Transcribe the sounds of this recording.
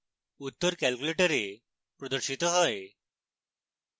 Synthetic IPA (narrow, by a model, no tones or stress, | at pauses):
ut̪ːəɾkɛlkuleʈəɾe | pɾɔd̪əɾʃit̪ɔɦɔe